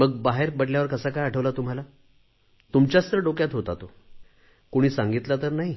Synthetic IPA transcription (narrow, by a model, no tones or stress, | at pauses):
məɡ̚baɦeɾbəɽljaʋəɾkəsakajaʈʰəʋlat̪um̤ala | t̪umt͡ɕjast̪ɾəɖokjat̪ɦot̪at̪o | kuɽ̃iːsãŋɡit̪lat̪əɾnaɦi